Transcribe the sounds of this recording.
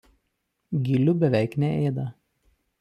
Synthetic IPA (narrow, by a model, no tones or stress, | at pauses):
ɡʲɪlʲʊbʲɛʋʲɛˑɪknʲɛʔeːd̪ɐ